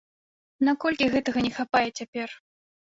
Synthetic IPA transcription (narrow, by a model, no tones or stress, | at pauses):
nakɔlʲkʲiɣɛt̪ɐɣɐnʲɛxapajɛt͡sʲapʲɛr